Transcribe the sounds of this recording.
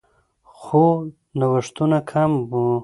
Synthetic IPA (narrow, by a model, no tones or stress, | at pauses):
xo | nawaʂt̪unakʰambu